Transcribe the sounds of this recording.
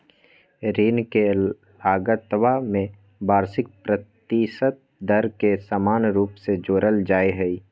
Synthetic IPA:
ɾiːnke | laːɡət̪wamẽ | baːɾsɪk̚pɾət̪iːsət̪̚d̪əɾkesaːmaːnɾuːpsed͡ʒoːɾəld͡ʒaːeɦɛi

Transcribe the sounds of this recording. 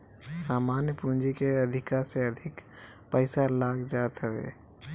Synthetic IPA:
saːmaːnjəpund͡ʒikeɐd̪ʱɪkaɾseɐd̪ʱɪk | pəɪsalaːɡd͡ʒaːt̪ɦəʋḛː

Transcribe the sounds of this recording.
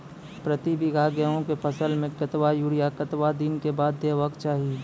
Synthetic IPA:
pɾət̪ibiɡʱaːɡəõkepʰəsəlmẽkət̪ʋajuːɽijakət̪wad̪inkebaːd̪ːeːʋəkt͡ʃaːɦi

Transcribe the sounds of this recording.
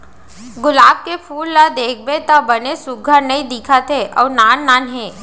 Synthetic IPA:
ɡʊlaːb̚kepʰuːlːad̪eːkʰbet̪abɐnesʊɡɡʱəɾnɐĩd̪ikʰat̪ɦeʔɔːɾnaːnːaːnɦẽː

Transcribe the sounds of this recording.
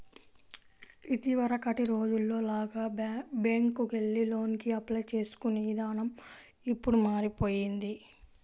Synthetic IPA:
it̪iʋɐɾɐkɐʈiɾo̞ːd͡ʒulːo̞ːlaːɡaːbaːŋkuɡe̞ɭːilo̞ːnkiɐplɐjt͡ʃe̞ːsu̥kuniʋd̪aːnɐm | ipːuɽumaːɾipo̞ːjind̪i

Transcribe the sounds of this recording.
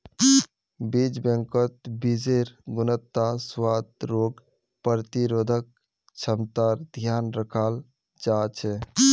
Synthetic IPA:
bid͡ʒbẽŋkət̪bid͡ʒeɾɡunət̪ːaswad̪ɾoɡ | pɾt̪iɾod̪ʱək̚ | t͡ʃʰəmt̪aɾd̪ʱjanɾəkʰal | d͡ʒat͡ʃʰɛ

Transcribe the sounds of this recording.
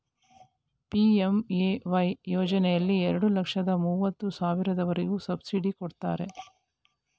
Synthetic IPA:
piːemeːʋɐjjɔːd͡ʒɐnɛjɐlːiɛɾɐɽulɐkʂɐd̪ɐmuːʋɐt̪ːusaːʋiɾɐd̪ɐʋɐɾeɡusɐbsiɖikɔɽt̪a̰ːɾe̞

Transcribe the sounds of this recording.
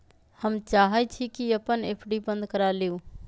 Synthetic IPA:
həmt͡ʃaːɦət͡ʃʰikiɐpəneːpʰɖibə̃nd̪kəɾaleo

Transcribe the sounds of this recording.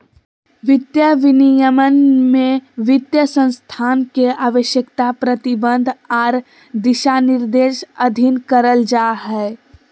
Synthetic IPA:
ʋɪd̪jəʋɪnijəmənmẽʋɪt̪jəsə̃nst̪ʰaːnkeaːʋəʃjəkt̪apɾət̪ibə̃nd̪ʱaːɾ | d̪ɪʃanɪɾd̪eːʃəd̪ʱinkəɾəld͡ʒaːɦɛː

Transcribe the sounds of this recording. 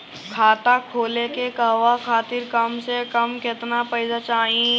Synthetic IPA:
kʰaːt̪akʰoːlekekəɦʋakʰaːt̪ɪɾkɐmsekɐmkɪt̪napəɪd͡ʒat͡ʃaːĩ

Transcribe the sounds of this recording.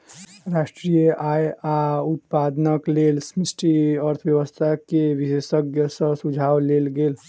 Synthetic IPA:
ɾasʈɾijəʔajaut̪̚pad̪nəklelsmisʈiəɾt̪ʰbjəwəst̪ʰakebisesəɡjəsʌ̃sud͡ʒʱawlelɡel

